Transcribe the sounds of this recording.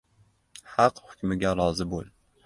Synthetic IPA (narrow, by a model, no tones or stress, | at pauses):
hɑqhʊkʲmɪɡʲaɾɒzɪbolˠ